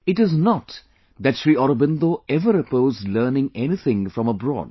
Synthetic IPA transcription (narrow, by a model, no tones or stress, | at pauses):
ɪʈɪznɔt | d̪æʈʃɾiːɔɾobɪ̃nd̪oɛʋəɾəpoːzləːnɪ̃ŋɛnit̪ʰɪ̃ŋfɾɔ̃məbɾɔ̰ːd̚